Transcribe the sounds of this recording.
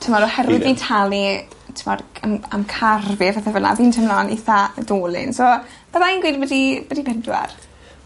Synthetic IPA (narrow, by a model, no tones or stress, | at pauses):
tʰəmɔɾɔhɛɾwɪðitʰalˠi | tʰəmɔdəmamkʰarvɪvaθɛvəna̰viːntʰəmlaniθadoːlˠɪ̰nsɔ | ð̥amaiːnɡwiːdbədibədibʰɛndwa̰r